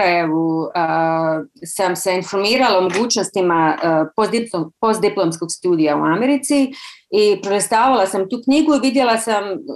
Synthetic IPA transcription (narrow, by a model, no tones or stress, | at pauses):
aje̞ʋuə | samse̞info̞ɾmiːɾalaomo̞ɡuːt͡ʃnost̪imapod̪ipopo̞st̪d̪iplomsko̞ɡst̪uːd̪ijaṵameɾit̪siipɾoɾest̪aːʋalasamt̪uːkɲiɡuiʋid̪je̞lasam